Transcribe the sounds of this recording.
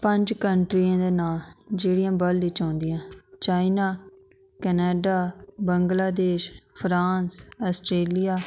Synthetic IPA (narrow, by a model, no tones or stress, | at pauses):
pəɲd͡ʒkəɳʈɾiːãːd̪eːnaːld͡ʒeːɽijãːbəlːiːt͡ʃãːnd̪ɪjãːt͡ʃaːinaː | kɛneːɖaːbəŋɡlaːd̪eːʃpʰɾaːnsəsʈɾeːlijaː